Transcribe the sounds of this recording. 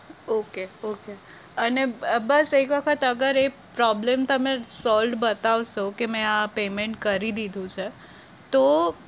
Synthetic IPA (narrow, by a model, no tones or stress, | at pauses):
okeoke | ənebəsekʋəkʰət̪əɡəɾe | pɾɔblemt̪əmesɔlɖbət̪aʋʃokemɛ̃apemeɳʈkəɾid̪id̪ʱũt͡ʃʰe | t̪o